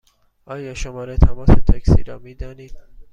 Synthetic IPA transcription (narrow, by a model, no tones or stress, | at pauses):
ɑːjɑːʃomɒːɾet̪ʰæmɒːset̪ʰæksiɾɒːmiːd̪ɒːniː